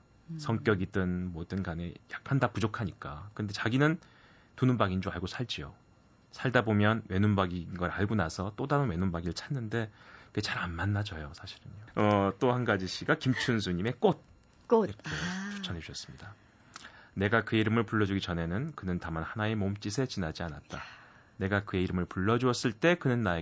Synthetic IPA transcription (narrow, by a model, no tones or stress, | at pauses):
sʰʌŋk͈jʌɡidɯnmwʌdɯnɡanejak̚k͈andapud͡ʑokʰaɲik͈a̰kɯnde̞t͡ɕaɡinɯn | tununbaɡind͡ʑoaɭɡosʰaɭd͡ʑijo̰ | sʰaɭdabomjʌnwe̞nunbaɡinɡʌɾa̰ɭɡunasʰʌt͈odaɾɯnwe̞nunbaɡiɾɯɭt͡ɕʰanːɯnde̞iɡet͡ɕaɾanmanːad͡ʑʌjosʰaɕʰi̥ɾɯɲoʌt͈ohanɡad͡ʑiɕ͈ʰiɡakimt͡ɕʰunsʰuɲime̞k͈od̚ | koet͡ɕʰu̥t͡ɕʰʌneuɕʰʌs͈ɯ̥mɲida | ne̞ɡakɯeiɾɯmɯɭpuɭːʌd͡ʑuɡit͡ɕʌne̞nɯnkɯnɯntamanhanae̞momt͡ɕ͈isʰe̞t͡ɕinad͡ʑianat̚t͈a | ne̞ɡakɯe̞iɾɯmɯɭpuɭːʌd͡ʑuʌs͈ɯɭt͈e̞kɯnɯnːae